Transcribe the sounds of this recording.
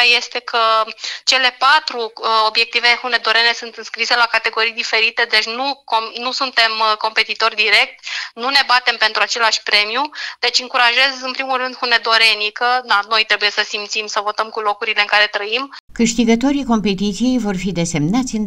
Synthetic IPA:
je̞st̪e̞kʰət͡ʃe̞le̞pat̪ɾuo̞bje̞k̚t̪ivexune̞d̪o̞ɾe̞ne̞sɨnt̪ɨnskɾise̞lakat̪e̞ɡo̞ɾijd̪ife̞ɾit̪e̞d̪e̞t͡ʃʲnukonusunt̪e̞mko̞mpe̞t̪it̪o̞rʲd̪iɾe̞k̚t̪nune̞bat̪e̞mpe̞nt̪ɾuat͡ʃe̞laʃʲpɾe̞mjud̪e̞t͡ʃʲɨŋkuɾaʒe̞zɨnpɾimulrɨnd̪hune̞d̪o̞ɾe̞nikəd̪ano̞jt̪ɾe̞buje̞səsimt̪simsəvo̞t̪əmkulo̞kuɾile̞ɨŋkaɾe̞t̪ɾəimkɨʃt̪iɡət̪o̞ɾiko̞mpe̞t̪it̪sije̞jvo̞rfid̪e̞se̞mnat̪sʲɨn

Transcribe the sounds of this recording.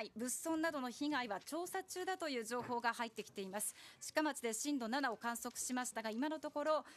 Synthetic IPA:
ibɯ̟sõ̞nːad̪o̞no̞çiɡaiβat͡ɕo̞ːsat͡ɕɨːd̪at̪o̞jɯ̟ːʑo̞ːho̞ːɡahait̪ːe̞kʲi̥t̪e̞imasɨ̥ɕi̥kamat͡ɕɨid̪e̞ɕĩnd̪o̞nanao̞kãɰ̃so̞kɯ̟̥ɕimaɕi̥t̪aɡaimano̞t̪o̞ko̞ɾo̞

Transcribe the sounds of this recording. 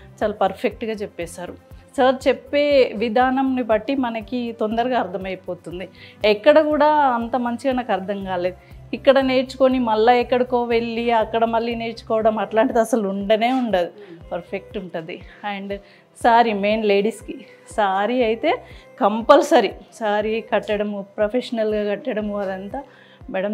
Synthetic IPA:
t͡ʃaːlaːpɐɾpʰek̚ʈɡaːt͡ʃepːɛːsaːɾusɐɾt͡ʃepːeːʋid̪ʱaːnɐmnibɐʈːimɐnɐkit̪ond̪ɐɾɐɡaːɾt̪ʰɐmɐjpoːt̪und̪iɛkːɐɽɐkuːɽaːɐnt̪ɐmɐɲt͡ʃiɐjnɐkɐɾd̪ʰʱɐŋkaːle̞ːd̪u | ikːɐɽɐne̞ːɾt͡ʃu̥konimɐlːɐɛkːɐɽɐkoːʋe̞ɭːiɐkːɐɽɐmɐlːine̞ːɾt͡ʃu̥kɔːʋɐɽɐmɐʈlaːɳʈid̪ɐsɐluɳɖɐne̞ːuɳɖad̪ipɐɾpʰe̞k̚ʈuɳʈund̪iɐɳɖ | saːɾime̞ːnleːɽiski | saːɾiɐjt̪e̞ːkɐmpɐlsɐɾisaːɾikɐʈːɐɽɐmpɾɐpʰeʂɐnɐlɡaːkɐʈːɐɽɐmɐd̪ɐnt̪aː | mɛɽɐm

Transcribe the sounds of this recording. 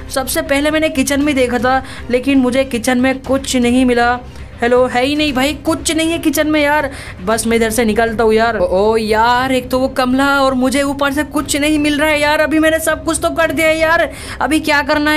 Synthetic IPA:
sɐbsepɛɦlemɛːnekɪt͡ʃənmẽd̪eːkʰat̪ʰa | leːkɪnmʊd͡ʒʱekɪt͡ʃənmẽkʊt͡ʃʰnɐɦĩmɪla | hɛloɦɛinɐɦĩbʱaːikʊt͡ʃʰnɐɦĩɦɛkɪt͡ʃənmẽjaːɾ | bɐsmẽd̪ʱeɾsenɪkəlt̪̬aɦũjaːɾoːjaːɾeːk̚t̪oʋokɐmlaɔːɾmʊd͡ʒʱeuːpəɾsekʊt͡ʃʰnɐɦĩmɪlɾaaɦɛjaːɾɐbʱimɛːnesɐb̚kʊt͡ʃʰt̪okɐɾd̪ijaɦɛjaːɾ | ɐbʱikjaːkɐɾna

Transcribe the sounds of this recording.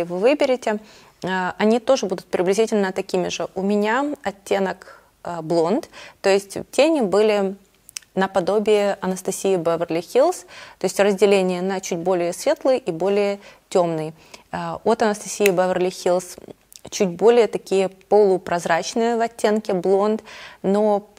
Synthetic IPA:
ɪvɨvɨbʲɪɾʲɪtʲɪ | ɐnʲit̪o̞ʐɨbud̪ʊt̪̚pɾʲɪblʲɪzʲitʲɪlʲnət̪ɐkʲimʲɪʐɨʔʊmʲɪnʲaɐtʲːenək | blˠo̞nt̪t̪o̞jɪsʲtʲtʲenʲɪbɨlʲɪ | nəpɐd̪o̞bʲɪɪʔɐnəst̪ɐsʲijɪbəvərlʲɪxʲilˠst̪o̞ɪsʲtʲrəzʲdʲɪlʲenʲɪjənɐt͡ɕutʲbo̞lʲɪjəsvʲe̞t̪lˠɨjʔibo̞lʲɪjətʲo̞mnɨj | ot̪ɐnəst̪ɐsʲijɪbɛvərlʲɪxʲilˠs | t͡ɕutʲbo̞lʲɪjət̪ɐkʲijəpəlˠʊpɾɐzɾat͡ɕnɨjəvɐtʲːe̞nkʲɪblˠo̞nt̪no

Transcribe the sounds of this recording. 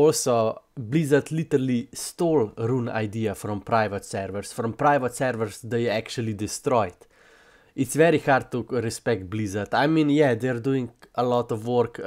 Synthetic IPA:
ɔlsoblizat̪lit̪əɾalist̪olɾuna̰jd̪iːafɾɔ̃mpɾajʋət̪sɛɾʋəɾsfɾɔmpɾajʋət̪sɛɾʋəɾsd̪ɐjɛɛkt͡ʃuəlid̪ist̪ɾɔjt̪ | it̪sʋɛɾixaɾd̪̚t̪ːuɾɛspɛk̚t̪̚blizat̪ajmĩnjɛd̪ɛɾd̪uĩŋɡəlɔt̪ɔfwɔɾk

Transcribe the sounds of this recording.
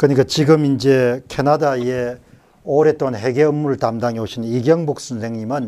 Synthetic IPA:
kɯɲik͈at͡ɕiɡɯmind͡ʑe̞kʰenadaje | oɾet͈̚onɦe̞ɡeɯmːuɾɯɭtamdaŋeoɕʰiniɡjʌŋbok̚s͈ɯnsʰe̞ŋɲimɯn

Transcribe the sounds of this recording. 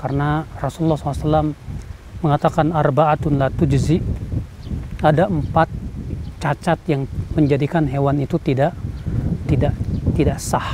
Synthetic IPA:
karənarɔsululːɔhsɔlsalamː | əŋat̪akanarbaat̪ʊnlat̪ud͡ʒəziʔ | adaəmpat̪̚t͡ʃat͡ʃat̪jaŋməɲd͡ʒadikanɦewanit̪ut̪idaʔt̪idaʔt̪idaʔsah

